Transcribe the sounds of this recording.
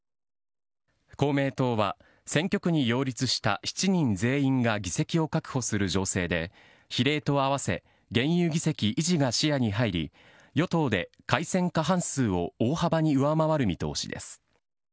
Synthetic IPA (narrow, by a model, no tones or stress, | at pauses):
ko̞ːme̞ːt̪o̞ːβa | sẽ̞ŋkʲo̞kɯ̟ɲ̟ijo̞ːɾʲit͡sɨɕi̥t̪a̰çi̥t͡ɕiɲ̟ĩnd͡ze̞ːĩŋɡaɡʲise̞kʲio̞kakɯ̟̥ho̞sɨɾɯ̟ʑo̞ːse̞ːd̪e̞ | çiɾe̞ːt̪o̞aβase̞̰ | ɡẽ̞ɰ̃jɯːɡʲise̞kʲiʔiʑiɡaɕijaɲ̟iɦaiɾʲḭ | jo̞t̪o̞ːd̪e̞ | kaisẽ̞ŋkaɦãɰ̃sɨːo̞oːhabaɲ̟iɯ̟βamaβaɾɯ̟mʲit̪o̞̰ːɕḭd̪e̞̰sɨ̥